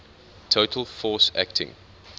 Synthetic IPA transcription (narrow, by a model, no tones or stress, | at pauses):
tʰoʊtʰəlˠfɔːsæ̰k̚tʰɪ̰̃ŋ